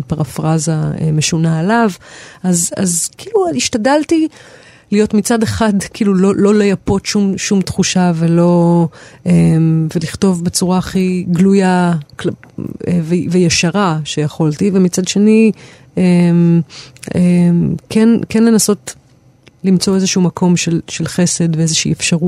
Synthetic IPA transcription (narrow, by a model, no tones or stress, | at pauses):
paʁafʁazaḛmeʃunaelavʔaza̰zkiːluiʃtadalti | lijo̞tmit͡sadeχadkiːlulolo̞lojapo̞tʃumʃumtχuʃave̞lo̞ | emve̞liχto̞vbe̞t͡suʁaχiɡlujakl | vevejaʃaʁaʃejaχo̞ltivemit͡sadʃe̞ni | em | emkʰenkenle̞naso̞t | limt͡so̞ezeʃuumakʰo̞mʃelʃelχe̞se̞dveezeʃiːefʃaʁut